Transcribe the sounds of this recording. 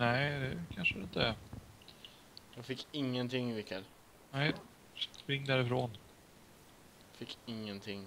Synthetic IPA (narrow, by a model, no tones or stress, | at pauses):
nɛɪd̪ɛkʰanʂəd̪ɛɪnt̪əæɾ | jɑːɡfɪkːɪŋːənt̪ʰɪŋːvɪkːɛl | nɛɪ | spɾɪŋːd̪æːɾɪfɾoːn | fɪkːɪŋːənt̪ʰɪŋː